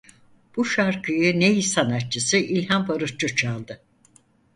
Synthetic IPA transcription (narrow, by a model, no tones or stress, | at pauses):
b̥uʃaɾkʰɯjɯnejisanat̪̚t͡ʃʰɯsɯʔilʲhambaɾɯʃt͡ʃɯt͡ʃʰalˠd̪ɯ